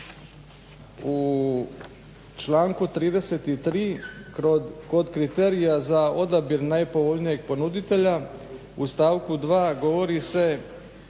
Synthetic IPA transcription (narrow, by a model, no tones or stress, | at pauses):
u | t͡ʃlaːŋkut̪ɾiːd̪eset̪it̪ɾiː | ko̞d̪kɾit̪eɾijazao̞d̪abiɾnajpo̞ʋo̞ʎnije̞ɡ̚po̞nud̪it̪e̞ʎa | ust̪aːʋkud̪ʋaːɡo̞ʋo̞ɾise̞